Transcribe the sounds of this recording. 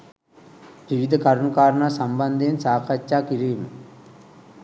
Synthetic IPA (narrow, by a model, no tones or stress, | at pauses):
ʋiʋid̪ʱəkaɾɳukaːɾəɳaːsamband̪eːnsaːkʰat͡ʃːaːkiɾiːmə